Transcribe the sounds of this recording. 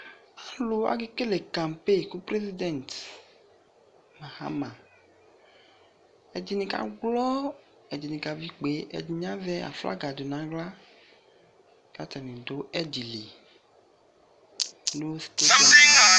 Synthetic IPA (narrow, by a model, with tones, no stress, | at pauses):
a˨lo˨a̰˨ɡe˦ke˦le˨kã˨m˨pe˦˨ku˦pɾe˦zi˦dɛ˨nt | ma˨ha̰˦mã˨ | ɛ˨d͡ʒi˨nĩ˨ka̰˨ɡlɔ˦ | ɛ˨d͡ʒi˨nĩ˨ka˨vi˦k͡pe˨˦ʔɛ̰˨d͡ʒi˨ɲã˦vɛ˦a̰˨fla̰˦ɡa˨do˨nã˨˦ɡla˦ | ka˦tɛ˨nĩ˨do˨˦ɛ˦d͡ʒi˨li˨ | no˦wsi̥˨˦t̪e˦˨